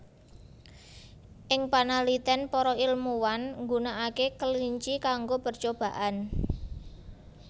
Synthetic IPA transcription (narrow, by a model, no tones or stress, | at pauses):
ʔɪŋpanalit̪ɛnpɔɾɔilmuwanŋɡunaakekəliɲt͡ʃikaŋɡopərt͡ʃob̥ä̤ʔan